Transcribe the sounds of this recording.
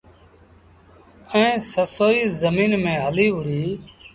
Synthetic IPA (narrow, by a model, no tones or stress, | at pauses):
əĩːsəsoːiːzəmiːnmẽːɦəliːɦʊɽiː